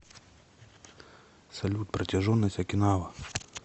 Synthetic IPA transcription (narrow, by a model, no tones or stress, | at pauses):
sɐlʲut̪̚pɾɐtʲɐʒɔnːɐsʲtʲɐkʲɪnɑʋɐ